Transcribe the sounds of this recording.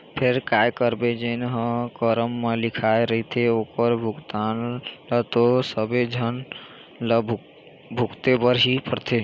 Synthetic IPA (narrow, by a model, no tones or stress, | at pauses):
pʰeɾkajkəɾbed͡ʒenɦə̃kəɾəmːelikʰaeɾəɦit̪ʰeokəɾbʱuɡt̪anlət̪osəbed͡ʒʱən | lə | bʱukt̪ebəɾɦipəɾt̪ʰe